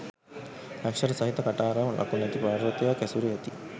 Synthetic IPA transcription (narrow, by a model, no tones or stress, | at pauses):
lækʂɐɾəsɐɦit̪ɐkaʈaːɾaːmlʔa̰kunɛt̪ipaːɾot̪ejaːkɛsuɾeɛt̪i